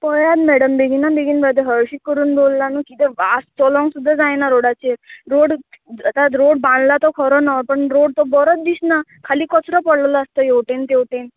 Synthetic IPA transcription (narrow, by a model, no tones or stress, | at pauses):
pɔjad̪mɛɽəmbeɡinabeɡinbɔjd̪eɦəɾʃikːɔɾuːnbollanũkit̪eʋast͡sɔlɔ̃ŋɡsud̪ʱːad͡zãenaɾoɽat͡ʃeɾoːɽət̪ad̪ɾoːɽ̚bãnd̪lat̪ɔkʰɔɾɔnapəɳɾoɽt̪ɔbɔɾɔt̪̚d̪isnakʰalikɔt͡sɾɔpɔɽlɔlaːst̪ɔjeʈent̪ewʈen